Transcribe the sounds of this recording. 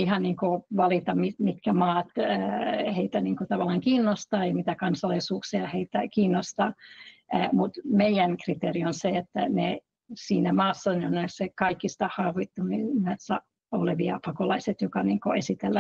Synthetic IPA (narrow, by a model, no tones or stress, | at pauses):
ihɑnniːŋkoʋɑlit̪ɑmimit̪kæmɑːt̪øheit̪æniːŋkot̪ɑʋɑlːˑɑŋkiːnːost̪ɑːeimit̪ækɑnsɑlisuːksiɑheit̪ækiːnːost̪ɑː | mut̪meijænkrit̪erionseet̪ːæ̰ne | siːnæmɑːsːɑneonessekɑikːist̪ɑhɑːʋit̪ːumimesːɑ | oleʋiɑpɑkolɑiset̪jokɑniːŋkoesit̪elːæ